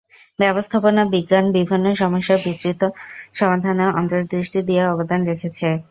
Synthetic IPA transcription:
bɛbost̪ʰaponabiɡːanbibʱinːoʃɔmoʃːabisɾit̪oʃɔmad̪ʱanoʔɔnt̪oɾd̪ɾiʃʈid̪iaɔbod̪anɾekʰet͡ɕʰe

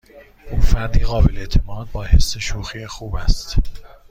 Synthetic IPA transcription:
ʔuːfæɾd̪iːɣɒːbele̞ʔt̪ʰemɒːd̪̚bɒːhe̞sːeʃuːxiːexuːbæst̪

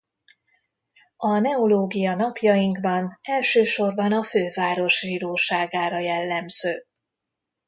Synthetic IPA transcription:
ɒnɛoloːɡijɒnɒpjɒjiŋkbɒnɛlʃøːʃo̞rbɒnɒføːvaːɾo̞ʃʒiːɾoːʃaːɡaːɾɒjɛlːɛmz̥øː

